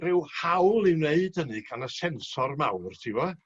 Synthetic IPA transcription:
rɪwhawlˠɪwneɨd̥ənɨɡʰanəsɛnsɔrmawrtʰɪvɔ

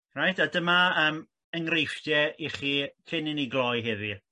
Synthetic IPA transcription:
rajtʰadəmaəːm | əŋrejfdjɛiχiːkʰɪnɪniɡlˠɔjɦɪði

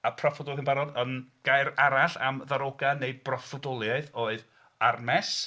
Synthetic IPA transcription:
apʰrɔfɔdɔlˠɪnbaɾɔdənɡ̥aɨɾaɾaɬa̰mðaɾoɡaneɨbrɔfɔdɔlˠjaɨθoɨð | armɛs

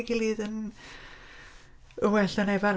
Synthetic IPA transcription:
ɡilˠiːðən | əwɛɬənɛvaɾ

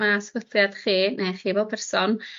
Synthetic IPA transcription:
masɡəθjad̥χiːnejχiːvɔlˠpʰɛrsɔn

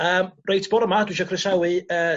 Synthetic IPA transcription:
əːmrejtʰb̥ɔɾəmadwɪʃ̬ɔkʰrɪsawɨə

